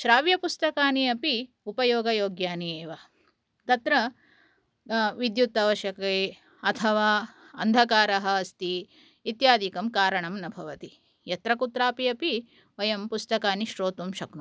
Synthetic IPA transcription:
ʃɾaːʋjɐpust̪ɐkaːniɐpi | upɐjoːɡɐjoːɡjaːnieːʋa | t̪ɐt̪ɾɐ | ʋid̪jut̪ːaːʋɐʃjɐkɐeː | ɐt̪ʰɐʋaː | ɐ̰nd̪ʱɐkaːɾɐɦɐɐst̪iː | t̪jaːd̪ʱikɐmkaːɾɐɳɐmnɐbʱɐʋɐt̪i | jɐt̪ɾɐkut̪ɾaːpiɐpi | ʋɐjɐmpust̪ɐkaːniʃɾoːt̪umʃɐknu

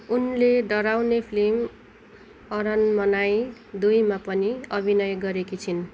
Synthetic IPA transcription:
unleɖʌɾawnepʰlim | ʌɾʌnmʌnaj | d̪ujmapʌniʌbʱinʌjɡʌɾekit͡sʰin

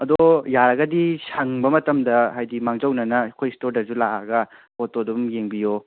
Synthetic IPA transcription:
ɐdojaɾɐɡɐdisɐŋbɐmɐtɐmdɐɦajdimaŋd͡ʒɐwnɐnɐkʰojstoɾdɐzulaa̰ɡɐpotodumjeŋbijo

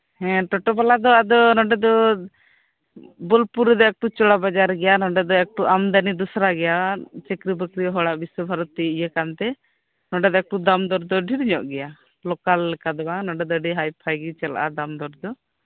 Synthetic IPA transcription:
hɛ̃ʈɔʈɔbalad̪ɔad̪ɔnɔɖɛd̪ɔ | bɔlpuɾɛd̪ɔɛk̚ʈut͡ʃɔɽabad͡ʒaɾɡɛjanɔɖɛd̪ɔɛk̚ʈuamd̪anid̪usɾaɡɛjat͡ʃɛkɾibəkɾiɔɦɔɽaʔbiswɔbʱaɾɔt̪ːiijəkant̪ɛ | nɔɖɛd̪ɔɛk̚ʈud̪amd̪ɔɾd̪ɔɖʱiɾiɲɔʔɡɛja | lɔkalːɛkad̪ɔbanɔɖɛd̪ɔəɖiɦajpʰajɡit͡ʃɛla̰ʔa̰d̪amd̪ɔɾd̪ɔ

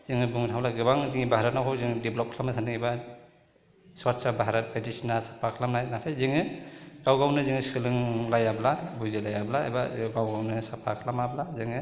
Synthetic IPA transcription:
z̥iŋɯbuŋtʰalaɡɯbaŋziŋibʱaɾat̚nakʰɔwziŋdiblɔp̚kʰlamnasʰandiŋijba | swaɾsabaɦaɾat̚edisinasḁpʰakʰlamnajnatʰajziŋɯɡawɡawnɯziŋɯskʰɯlɯŋlajablabuzilajablaa̰jbaɡawɡawnɯsapʰakʰlamablaziŋɯ

